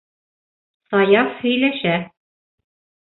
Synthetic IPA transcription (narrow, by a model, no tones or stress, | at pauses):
sɑjɑfhɵ̆jlæʃæ